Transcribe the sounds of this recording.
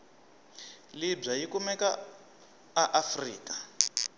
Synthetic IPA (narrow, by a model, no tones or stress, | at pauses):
lib͡ʐajikumɛka | aʔafrḭːka